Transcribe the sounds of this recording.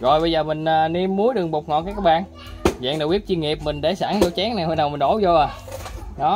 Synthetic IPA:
ɣɔ̰˨˩jɓə˧jzəː˨˩mï˨˩ŋ̟ʔaː˨˩ni˧mːu˨˦jɗɨ˨˩əŋɓo˨˩k͡p̚ŋɔ˨˩kaː˨˦jkːɔː˧˥ɓa̰ː˧˨n | za̰ː˧˨ŋnɗaː˧˩wi˦˥p̚t͡ɕi˧ŋi˨˩əp̚mï˨˩ŋ̟ɗe˧˩saː˧˩ŋlo˨˧˩t͡ɕɛ˨˦ŋnaː˨˩jho˧˦na˨˩wmi˨˩nɓo˧˩˦wzo˧ʔaː˨˩ | ɗɔ˨˦

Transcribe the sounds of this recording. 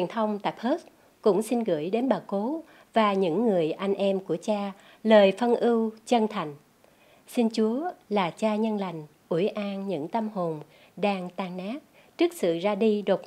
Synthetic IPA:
wi˨˩ənt̪ʰə˧wŋ͡mt̪a̰ː˧˨jpʰəː˦˥s | kʊ̰˧˥ŋ͡msi˧nɣɨ̰˧˩əjɗe˨˦nɓaː˨˩ko˨˦ | vaː˨˩ɲɨ̰˧˥ŋːɨ˨˩əjʔa˧jŋ̟ʔɛ˧mku˧˩ət͡ɕaː˧ | ləː˨˩jfə˧nʔɨ˧wt͡ɕə˧nt̪ʰa˨˩jŋ̟ | si˧ŋt͡ɕu˨˦əlaː˨˩t͡ɕaː˧ɲə˧nla˨˩jŋ̟ | ʔu˧˩əjʔaː˧nɲɨ̰˧˥ŋt̪ə˧mho˨˩n | ɗaː˧ŋt̪aː˧˩ŋnaː˦˥k̚ | t͡ɕɨ˦˥k̚sɨ̰˧˨zaː˧ɗi˧ɗo˨˩t̚

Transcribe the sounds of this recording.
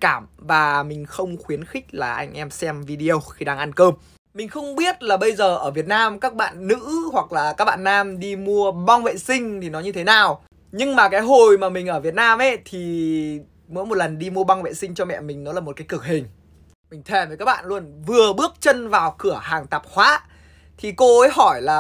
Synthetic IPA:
kaː˧˩mvaː˨˩mï˨˩ŋ̟xə˧wŋ͡mxwi˨˦ənxï˦˥k̚laː˨˩ʔa̰˧jŋ̟ʔɛ˧msɛ˧mvi˧ɗi˧ə˧wxi˧ɗaː˧ŋʔa˧nkəː˧m | mï˨˩ŋ̟xə˧wŋ͡mɓi˦˥ət̚laː˨˩ɓə˧jzəː˨˩ʔəː˧˩vi˨˩ət̚naː˧mkaː˦˥k̚ɓa̰ː˧˨nːɨ̰˧˥hwa˨˩k̚laː˨˩kaː˦˥k̚ɓa̰ː˧˨nːaː˧mɗi˧mu˧əɓa˧wŋ͡mvḛ˧˨sï˧ŋ̟t̪ʰi˨˩nɔ˨˦ɲɨ˧t̪ʰe˨˦naː˨˩w | ɲɨ˧ŋmaː˨˩kaː˨˦jɦo˨˩jmaː˨˩mï˨˩ŋ̟ʔəː˧˩vət̚naː˧mʔe˧˦t̪ʰi˨˩ | mo̰˨˦˥jmo˨˩t̚lə˨˩nɗi˧mu˧əɓa˧wŋvḛ˧˨sï˧ŋ̟t͡ɕɔ˧mɛ̰˧˨mï˨˩ŋ̟nɔ˨˦laː˨˩mo˨˩t̚kaː˨˦kɨ˧˩ək̚ɦï˨˩ŋ̟ | mï˨˩ŋ̟t̪ʰe˧˩vəː˨˦kaː˦˥k̚ɓa̰ː˧˨nlu˧ənvɨ˨˩əɓɨ˦˥ək̚t͡ɕə˧nvaː˨˩wkɨ˧˩əhaː˨˩ŋt̪a˨˩p̚hwa̰ː˨˦˥ | t̪ʰi˨˩ko˧əː˨˦jɦɔ˧˩jlaː˨˩

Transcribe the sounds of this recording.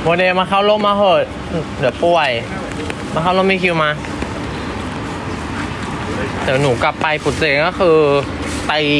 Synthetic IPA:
bɔː˧deː˧maː˧kʰa˥˩wlo˥˩˨mːaː˧ɦɤː˧˩ | lɯ˩˦pʰu˧˩əj | maː˧xʰa˥˩wlo˥˨ma˦˥˩kʰi˧wmaː˧ | t̪ɛː˩˦nuː˩˦ka˨˩pːa˧jpʰu˨˩t̪̚seː˧ŋkɔ˥˩xʰɯː˧ | pa˧j

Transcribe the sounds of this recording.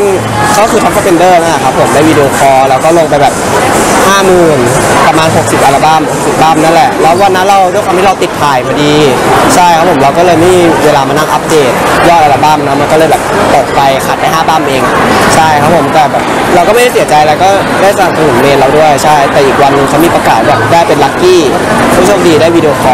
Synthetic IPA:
n | kʰa˦˥wkʰɯː˧kʰa˦˥wkʰɔ˥˩pe˧ndɤː˥˩na˦˥lɛ˨˩kʰa˦˥pʰːo˨˩˦mdaː˥˩jwiː˧di˧ʔoː˧kʰɔː˧ɾɛ˧wkɔː˥˩lo˧ŋpa˧jbɛː˨˩p̚haː˥˩mɯː˨˩npɾa˧maː˧nɦo˨˩k̚si˨˩p̚ʔaː˧laː˧˩ba˥˩˨mho˨˩k̚si˨˩p̚baː˥˩˨mna˦˥˩nlɛ˨˩ʔlɔː˦˥waː˥˩na˦˥ɾa˧wdu˥˩jkʰwa˧t̪ʰi˥˧a˧wt̪i˨˩t̪̚ʰːaː˨˩jmaː˧diː˧t͡ɕʰa˥˩jkʰa˦˥p̚ʰːo˩˦mɾa˧wkɔː˥˩lɤː˧jmiː˥˩weː˧laː˧maː˧na˥˩ŋʔa˦˥p̚deː˨˩t̪̚jɔː˥˩t̪ʔaː˧laː˧˩ba˥˩˨mna˧˦˥ma˧nkɔ˥˩ɤː˧jbɛː˨˩p̚t̪o˨˩k̚pa˧jkʰa˨˩t̪̚pa˧jɦaː˥˩baː˥˩mʔeː˧ŋt͡ɕʰa˥˩jkʰa˦˥pʰo˩˦mt̪ɛː˨˩bɛː˨˩p̚ | ɾa˧wkɔ˥˩ma˥˩ɾa˥˩s̬i˩˦t͡ɕa˧jla˧wkɔː˥˩ | daː˥˩jsa˧a˨˩p̚sɯ˨˩˦nmeː˧nɾa˧wdu˥˩əjt͡ɕʰa˥˩jt̪ɛː˨˩ʔiː˨˩k̚wa˧nːɯ˧ŋkʰa˦˥wmiː˧pɾa˧kaː˨˩t̪̚bɛː˨˩p̚daː˥˩jpe˧nla˦˥kːiː˥˩ | kʰːmʰ˥˩o˧˩mdiː˧daː˥˩jwiː˧di˧o˧kʰɔː˧

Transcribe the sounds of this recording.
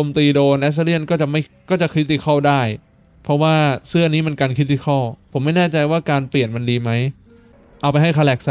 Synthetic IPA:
o˧mt̪iː˧doː˧nʔɛː˦˥s̬li˥˩ənkɔː˥˩t͡ɕa˨˩ʔma˥˩jkɔː˥˩t͡ɕa˨˩kʰɾi˦˥t̪ːi˧˩kʰɔ˥˩wdaː˥˩j | pʰɔ˦˥waː˥˩sɯ˥˩əniː˦˥m˧nkaː˧nkʰɾi˦˥t̪̬ːi˧kʰɔ˥˩wpʰo˩˦mːa˥˩jnɛː˥˩t͡ɕa˧jwaː˥˩kaː˧npli˨˩ənma˧ndiː˧ma˦˥j | ʔa˧wpa˧jɦa˥˩jkʰa˧lɛː˨˩k̚sa˧˩

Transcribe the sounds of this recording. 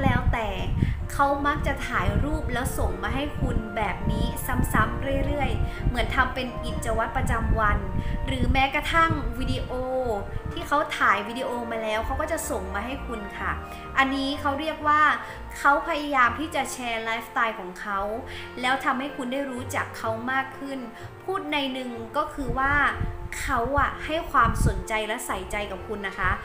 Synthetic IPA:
lɛː˦˥wt̪ɛː˨˩kʰa˦˥wma˦˥k̚t͡ɕa˨˩t̪ʰaː˩˦jɾuː˥˩p̚lɛː˦˥wso˨˩ŋmaː˧ɦa˥˩jkʰu˧nbɛː˨˩p̚niː˦˥sa˦˥msa˦˥mɾɯ˥˩əjɾɯ˥˩əjmɯ˩˦ənt̪ʰa˧mpe˧nʔi˨˩t̪̚t͡ɕːa˧wa˦˥t̪̚pɾa˧t͡ɕa˧mwa˧nɾɯː˩˦mɛː˦˥kɾa˧t̪ʰa˥˩ŋwi˧di˧ʔoː˧t̪ʰiː˥˩kʰa˦˥wt̪ʰaː˩˦jwiː˧diː˧ʔoː˧maː˧lɛː˦˥wkʰa˦˥wkɔː˥˩t͡ɕa˨˩so˨˩ŋmaː˧ɦa˥˩jkʰu˧nkʰa˥˩ | ʔa˧nːiː˦˥kʰa˦˥wɾi˥˩ək̚waː˥˩ | kʰa˦˥wpʰa˧ja˧jaː˧mt̪ʰiː˥˩t͡ɕa˨˩t͡ɕʰɛː˧laː˦˥jft̪aː˧jkʰɔː˩˦ŋkʰa˦˥w | lɛː˦˥wt̪ʰa˧mha˥˩jkʰu˧ndaː˥˩jɾuː˦˥t͡ɕa˨˩kʰːa˦˥wmaː˥˩kʰːɯ˥˩n | pʰuː˥˩t̪̚na˧jnɯ˨˩ŋkɔː˥˩kʰɯː˧waː˥˩kʰa˦˥wʔa˨˩ha˥˩jkʰwaː˧mso˩˦nt͡ɕa˧jlɛ˦˥sa˨˩˦jt͡ɕa˧jka˨˩p̚kʰu˧nːa˦˥kʰa˦˥

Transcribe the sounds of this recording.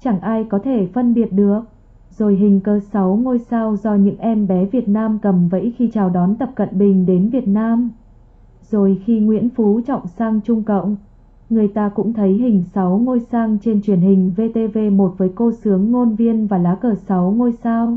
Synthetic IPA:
t͡ɕa˧˩ŋʔaː˧jkɔ˨˦t̪ʰe˧˩fə˧nɓi˨˩ət̚ɗɨ˨˩ək̚ | zo˨˩jɦï˨˩ŋ̟kəː˧˩sa˨˦wŋo˧jsaː˧wzɔ˧ɲɨ̰˧˥ŋʔɛ˧mɓɛ˨˦vi˨˩ət̚naː˧mkə˨˩mvə̰˧˥jxi˧t͡ɕaː˨˩wɗɔ˨˦nt̪ə˨˩p̚kə̰˧˨nɓï˨˩ŋ̟ɗe˨˦nvi˨˩ət̚naː˧m | zo˨˩jxi˧ŋwḭ˧˥ənfu˨˦t͡ɕɔ̰˧˨wŋ͡msaː˧ŋt͡ɕʊ˧ŋ͡mkə̰˧˨wŋ͡mʔ | ŋɨ˨˩əjt̪aː˧kʊ̰˧˥ŋ͡mt̪ʰə˨˦jɦŋ̟sa˨˦wŋo˧jsaː˧ŋt͡ɕe˧nt͡ɕwi˧˩ənɦï˨˩ŋ̟ve˧t̪e˧ve˧mo˨˩t̚vəː˨˦jko˧sɨ˨˦əŋːo˧nvi˧ənvaː˨˩laː˨˦kəː˧˩sa˨˦wŋo˧jsaː˧w

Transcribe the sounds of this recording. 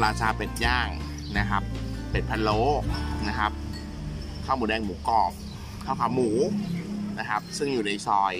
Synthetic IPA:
ɾaː˧t͡ɕʰaː˧pe˨˩t̪̚jaː˥˩ŋ | na˦˥kʰa˦˥p̚ːe˨˩t̪̚pʰa˧nloː˦˥na˦˥kʰa˦˥p̚ | kʰaː˥˩muː˩˦ɛː˧ŋmuː˩˦kɔː˨˩p̚ | kʰaː˥˩wkʰa˧˩wmuː˩˦ | na˦˥kʰa˦˥p̚sɯ˥˩ŋjuː˨˩na˧jsɔː˧j

